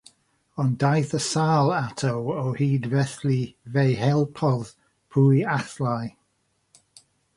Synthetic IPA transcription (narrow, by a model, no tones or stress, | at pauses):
ɔndajθəsaːlˠatʰowɔhiːdvɛθlivejhɛlˠpʰɔð | pʰuːjaθlaj